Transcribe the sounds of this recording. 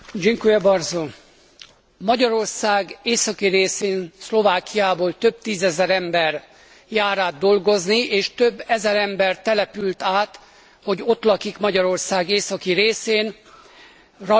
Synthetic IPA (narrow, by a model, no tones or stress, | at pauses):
d͡ʒiŋkuɛbɒrzo | mɒɟɒɾo̞rsaːɡeːsɒkiɾeːseːnslo̞vaːkijaːboːlt̪ø̞b̚t̪iːzɛzɛɾɛmbɛr | jaːɾaːd̪̚d̪ːo̞lɡo̞znieːʃt̪øbːɛzɛɾɛmbɛrt̪ɛlɛpylt̪aːt̪ | ho̞ɟo̞t̪lɒkikmɒɟɒɾo̞rsaːɡeːsɒkiɾeːseːn | rɒ